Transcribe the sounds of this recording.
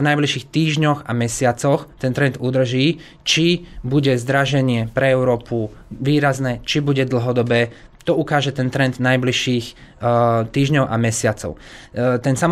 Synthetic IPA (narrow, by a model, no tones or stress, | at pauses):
vnajbliʃiːxt̪iːʒɲɔɣamɛsɪat͡sɔxt̪ɛnt̪ɾɛnd̪ud̪r̩ʒiː | t͡ʃibuɟɛzd̪ɾaʒɛɲɪɛpɾɛɛʊɾɔːpʰuʋiːɾaznɛt͡ʃibuɟɛd̪l̩ɦɔd̪ɔbɛː | t̪ɔukaːʒɛt̪ɛnt̪ɾɛnd̪najbliʃiːx | t̪iːʒɲɔʊʔa̰mɛsɪat͡sɔ̰ʊt̪ɛnsam